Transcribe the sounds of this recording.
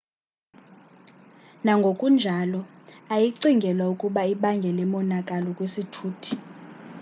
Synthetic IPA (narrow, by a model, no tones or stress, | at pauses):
naŋɡʱokʼund͡ʒʱalɔ | ajiǀiŋɡʱɛlwaukʼuɓaiɓaŋɡʱɛlɛmɔnakʼalɔkʼwesitʰuːtʰi̥